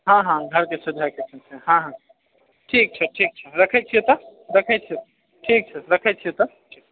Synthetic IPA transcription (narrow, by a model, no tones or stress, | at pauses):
ɦãɦãɡʱəɾkesud̪ʱakesʰəsʰeɦãɦã | ʈʰik̚t͡ʃʰəʈʰik̚t͡ʃʰəɾəkʰɛt͡ʃʰijet̪ɔɾekʰɛt͡ʃʰiet̪ | ʈʰik̚t͡ʃʰɛɾəkʰɛt͡ʃʰijet̪ɔʈʰik̚